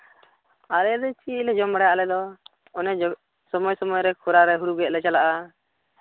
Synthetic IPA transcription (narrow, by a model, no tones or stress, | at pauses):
aɾɛd̪ɛt͡ʃilɛd͡ʒɔmbaɽajaʔlɛd̪ɔ | ɔnɛd͡ʒɔ | sɔmɔjsɔmɔjɾɛkʰuɾaɾɛɦuɾuɡɛʔ̪̚lɛt͡ʃalaʔa